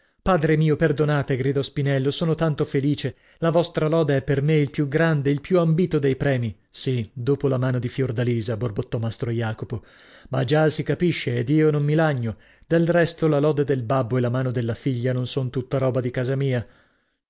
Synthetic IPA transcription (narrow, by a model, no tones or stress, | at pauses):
paːd̪ɾemiːoperd̪onaːt̪eɡɾid̪ɔspinɛlːosoːnot̪ant̪ofeliːt͡ʃe | lavɔst̪ɾalɔːd̪eɛpːermeilpjuɡɾand̪eilpjuambiːt̪od̪ejpɾɛːmi | sid̪oːpolamaːnod̪ifjord̪aliːzaborbot̪ːɔmast̪ɾojaːkopo | mad͡ʒasikapiʃːeːd̪iːonomːilaɲːo | d̪elrɛst̪olalɔːd̪ed̪elbabːoelːamaːnod̪elːafiʎːanonsont̪ut̪ːaɾɔːbad̪ikaːzamiːa